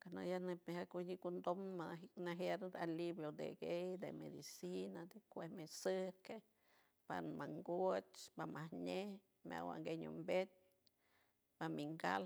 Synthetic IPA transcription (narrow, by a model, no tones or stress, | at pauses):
kana̰janepmehakuɲikund̪omanaɦjaɾɾalibjod̪ḛɡejd̪ḛmḛd̪isinad̪ekʷehmesɨke | panmaŋɡot͡ʃbamahɲeh | mʲa̰wa̰ŋɡeɲṵmbet̪̚ | pamiŋɡa̰l